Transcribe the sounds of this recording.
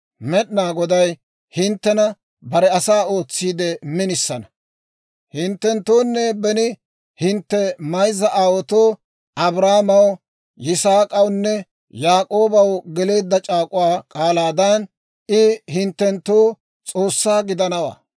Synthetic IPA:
mɛɗnaːɡɔd̪ɐj | hɪnt̪ːɛnɐ | bɐɾɛɐsaːo̞ːt͡sːiːd̪ɛmɪnɪsːɐnɐ | hɪnt̪ːɛnt̪ːoːnːɛbɛnɪ | hɪnt̪ːɛmɐjzɐʔaːwɔt̪oː | ʔɐbɾaːmɐw | jɪsaːkʼɐwnːɛ | jaːkʼo̞ːbɐwɡɛle̞ːd̪ːɐt͡ʃʼaːkʼʊwaːkʼaːlaːd̪ɐn | ɪhɪnt̪ːɛnt̪ːoː | t͡sʼo̞ːsːaːɡɪd̪ɐnɐwa̰ː

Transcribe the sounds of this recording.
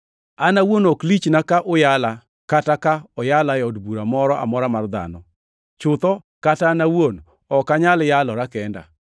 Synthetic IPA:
anawonɔklit͡ʃnakaʔʊjala | katakaɔjalajɔdbuɾamɔɾɔʔa̰mɔɾamard̪a̰nɔ | t͡ʃʊt̪ɔ | katanawon | ɔkaɲaljalɔɾakɛnda̰

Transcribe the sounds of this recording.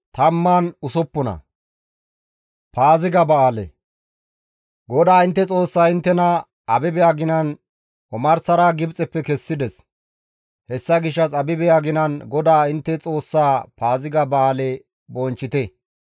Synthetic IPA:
t̪ɐmːaːnʊsɔpːɔnɐ̰ | paːzɪɡɐbɐaːlɛ̰ | ɡɔd̪aːɪnt̪ːɛt͡sʼo̞ːsːaːɪnt̪ːɛnɐ | ɐbɪbɛjaɡɪnɐn | ɔmɐɾsɐɾaːɡɪbt͡sʼɛpːɛkɛsːɪd̪ɛs | hɛsːɐɡɪʃːɐsɐbɪbɛjaɡɪnɐnɡɔd̪aːɪnt̪ːɛt͡sʼo̞ːsːaːpaːzɪɡɐbɐaːlɛ | bɔnt͡ʃːɪt̪ɛ

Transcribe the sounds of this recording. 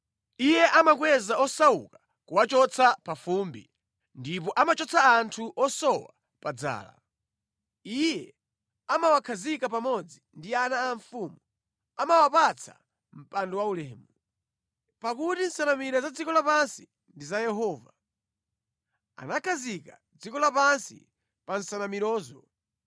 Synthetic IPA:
ijɛʔamak̬wɛzaɔsaṵka | kuwat͡ʃɔt͡sʰapafumbḭ | ndipɔʔamat͡ʃɔt͡sʰaːntʰuʔɔsɔwa̰ | pad͡za̰ːla̰ | ijɛ | amawakʰazikapamɔd͡zindianaːɱfuːmu | amawapat͡sʰa̰ | m̩pandɔwaulɛːmu | pakutin̩sanamiɾazad͡zikɔlapansi | ndizajɛɦɔːva | a̰nakʰazika | d͡zikɔlapansḭ | pan̩sanamiɾɔːzɔ

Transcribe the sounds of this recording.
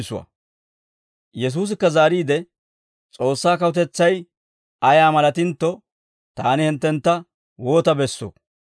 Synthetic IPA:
sʊwɐ̰ | jɛs̬uːs̬ɪkːɐzaːɾiːd̪ɛ | t͡sʼo̞ːsːaːkɐwʊt̪ɛt͡sːɐj | ɐjaːmɐlɐt̪ɪnt̪ːɔ | t̪aːnɪhɪnt̪ːɛnt̪ːɐ | wo̞ːt̪ɐbɛsːo̰ː

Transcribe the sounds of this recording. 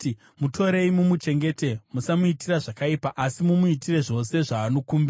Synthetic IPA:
mutʰo̞ɾe̞imumut͡ʃe̞ŋɡe̞te̞musamuitiraʐakaipaʔasimumuitire̞ʐo̞se̞ʐaːno̞kuːmbia

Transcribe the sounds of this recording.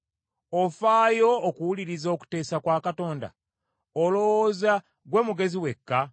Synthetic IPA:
ofaːjo̞ːkuwuliɾizo̞ku̥te̞ːsakwaːkato̞ːnda̰ | olo̞woːza | ɡwe̞muɡe̞ziwe̞kːa

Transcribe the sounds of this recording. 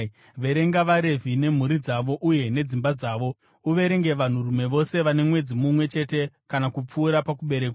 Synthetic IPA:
ʋe̞ɾe̞ŋɡaʋaɾe̞vʱine̞m̤uɾid͡zaʋo̞ʔuje̞ne̞d͡zimbad͡zaːʋo̞ | uʋe̞ɾe̞ŋɡe̞ʋan̤urume̞ʋo̞se̞ʋane̞mwe̞d͡zimumwe̞t͡ʃe̞te̞ | kanakup͡fuːɾapakuɓe̞ɾek

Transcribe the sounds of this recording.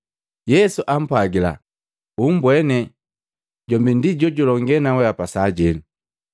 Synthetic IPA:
jɛsuʔam̩paɡila̰ | um̩bwɛnɛ | ɟɔmbindiɟɔɟulɔŋɡɛnawɛapasaɟɛnu

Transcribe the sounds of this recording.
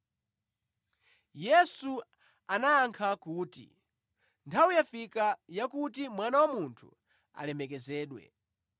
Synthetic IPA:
jɛsu | anaːŋkʰakuːtḭ | ntʰawujafikajakutimwanawamuntʰṵ | a̰lɛmɛkɛzɛːɗwɛ̰

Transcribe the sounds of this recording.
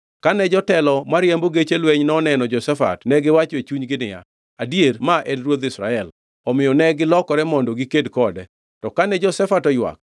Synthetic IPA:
kanɛd͡ʒɔtɛlɔmaɾjemboɡet͡ʃelweɲnɔnɛnɔd͡ʒɔsɛfa̰tnɛɡɪwat͡ʃet͡ʃuɲɡɪnɪja̰ | adiermaʔedɾwod̪ɪsɾa̰ɛl | ɔmɪjɔnɛɡɪlɔkɔɾɛmɔndoɡikedkɔdɛ | tɔkanɛd͡ʒɔsɛfatɔjwa̰k̚

